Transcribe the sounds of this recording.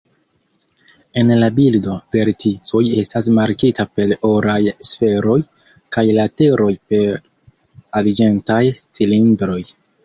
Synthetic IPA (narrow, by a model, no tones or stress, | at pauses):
e̞nlabildo̞v̥e̞ɾtit͡so̞je̞stasmaɾkitape̞loɾajsfe̞ɾo̞j | kajlate̞ɾo̞jpe̞ | ald͡ʒe̞ntajst͡silindɾo̞j